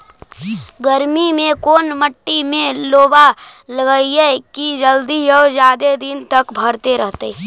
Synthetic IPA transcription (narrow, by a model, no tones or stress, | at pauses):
ɡəɾmimẽkoːnməʈːimẽloːbaləɡəiɦɛkid͡ʒəld̪iɔːd͡ʒjaːd̪ed̪int̪ɐkbʱəɾt̪eɾəɦt̪e